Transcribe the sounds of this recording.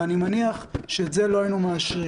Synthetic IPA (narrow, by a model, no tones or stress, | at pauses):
animaniaχʃetze̞loajnumeaʃʁi